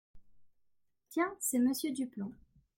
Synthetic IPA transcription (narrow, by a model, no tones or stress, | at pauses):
t̪jɛ̃sɛməsjød̪ypɔ̃